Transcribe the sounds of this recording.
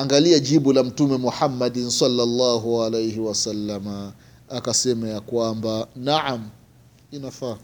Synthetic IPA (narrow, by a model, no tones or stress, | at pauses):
aŋɡaliaʄiɓulam̩tumɛmuħamːaɗinsalːalːɑːɦualejhiwasalːamaː | kasɛmajakwambanaʕam | inafa